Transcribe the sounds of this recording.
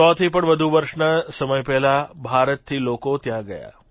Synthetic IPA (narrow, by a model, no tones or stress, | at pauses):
ɔːt̪ʰipəɳʋəd̪ʱuʋəɾʃnasəməjpɛɦlabʱaːɾət̪̚t̪ʰːiːloːkot̪jãɡɐja̰ː